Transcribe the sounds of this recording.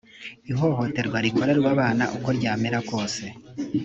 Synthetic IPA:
iɦo̞ɦo̞te̞ɾɡwaɾiko̞ɾeɾuwaβaːna̰ʔuko̞ɾɟaːmeɾako̞ːse̞

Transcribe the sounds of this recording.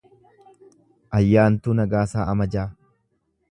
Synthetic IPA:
ʔɐjːaːnt̪uːnɐɡaːsaːʔɐmɐd͡ʒaː

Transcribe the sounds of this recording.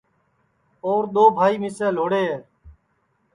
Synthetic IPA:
oːɾɗ̪oːbʱaːiːmɪsɛ̃ːloːɽeːɦeː

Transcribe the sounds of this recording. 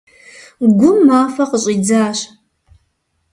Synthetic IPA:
ɡʷʊmːaːfɐqəɕʼiːd͡zaːɕ

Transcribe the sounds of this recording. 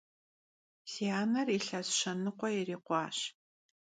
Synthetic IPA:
siaːnɐriɬɐzʃɐnɨqʷɔiriːqʷɑːɕ

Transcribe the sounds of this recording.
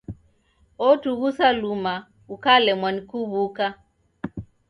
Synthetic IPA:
ɔtuɣusaluma | ukalɛmwanikuβuka

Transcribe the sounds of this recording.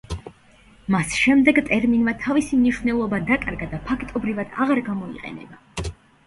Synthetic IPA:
masʃɛmd̪ɛɡt̪ʼɛɾminmat̪ʰavisimniʃvnɛlˠɔbad̪akʼaɾɡad̪apʰakʰt̪ʼɔbɾivad̪̥a̰ʁaɾɡamɔḭqʼɛ̰nɛ̰ba

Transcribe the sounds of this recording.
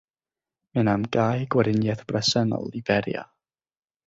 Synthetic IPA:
mɪnamɡaːjɡwɛɾɪnjɛθb̥rɛsənɔ̰lˠibɛɾja̰

